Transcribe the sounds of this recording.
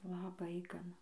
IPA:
lˠɐˈbɐɪ ɡɐˈnɐ

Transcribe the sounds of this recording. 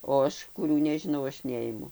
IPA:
oː ˈɐʃ kʊˈrʲuː nʲɛʒʲɪˈnɐʊ ˈɐʃ ˈnʲɛɪmʊ

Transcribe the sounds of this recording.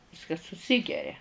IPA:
ˈʋʲɪskɐs sʊˈsʲɪɡʲɛrʲɛ

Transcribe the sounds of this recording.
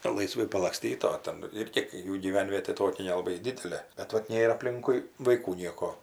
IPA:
lˠɐɪˈsʋɐɪ pɐlˠɐkˈsʲtʲiːt oː ˈtʲɛn ˈɪrʲɡʲɪ ˈjuː ɡʲiːˈʋʲɛnʲʋʲiɛtʲeː ˈtoːkʲɛ nʲɛlˠɐˈbɐɪ ˈdʲɪdʲɛlʲeː bʲɛt ˈʋɐt ˈnʲeːr ɐpʲˈlʲɪŋkʊɪ ʋɐɪˈkuː ˈnʲiɛkoː

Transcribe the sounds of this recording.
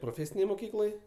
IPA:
proːˈfʲeːsʲɪnʲeːj moːˈkʲiːklˠoːj

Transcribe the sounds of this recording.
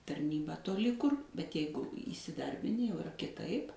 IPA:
tɐrʲˈnʲiːbɑː toːˈlʲɪ kʊr bʲɛt ˈjɛɪɡʊ iːsʲɪˈdɐrʲbʲɪnʲɪ jɛʊ ɪˈrɐ kʲɪˈtɐɪp

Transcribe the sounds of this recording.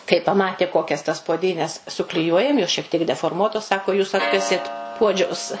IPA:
kɐɪ pɐˈmɑːtʲeː ˈkoːkʲɛs tɐs puɔˈdʲiːnʲɛs sʊklʲɪˈjuɔjɛm joːs ʃʲiɛk tʲiɛk dʲɛfoːrˈmuɔtoːs ˈsɑːkoː juːs ˈɑːtkɐsʲeːt ˈpuɔd͡ʒʲɛʊs

